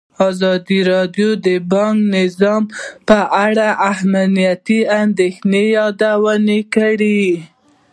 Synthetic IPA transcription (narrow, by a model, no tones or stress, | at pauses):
ɑzɑd̪iɾɑd̪jod̪əbɑŋknɪzɑmpəʔaɽaʔahmnijat̪iand̪exnejɑd̪awənekaɽi